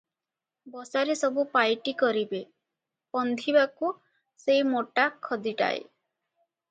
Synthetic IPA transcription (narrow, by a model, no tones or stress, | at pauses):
bɔsaɾesɔbupajʈikɔɾibe | pɔnd̪ʱibaku | seimoʈakʰːɔd̪iʈa̰ḛ